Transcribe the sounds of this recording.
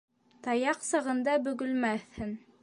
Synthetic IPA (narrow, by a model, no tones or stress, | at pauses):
t̪ɑjɑqsɑʁɤ̆nd̪ɑbɵ̆ɡɵ̆lmæθhɘn